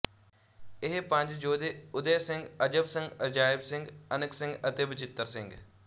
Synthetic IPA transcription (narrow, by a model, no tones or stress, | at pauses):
ɪɦpə̃ɲd͡ʒd͡ʒoːd̪eːʊd̪eːsɪ̃ŋɡəd͡ʒəbsɪ̃ŋɡəd͡ʒaːɪbsɪ̃ŋɡənəksɪ̃ŋɡət̪eːbɪt͡ʃɪt̪ːəɾsɪ̃ŋɡ